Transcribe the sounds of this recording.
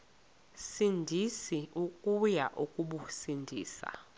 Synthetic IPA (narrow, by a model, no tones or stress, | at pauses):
sindʱisiukʼujaʔukʼuɓusindʱiːsa̰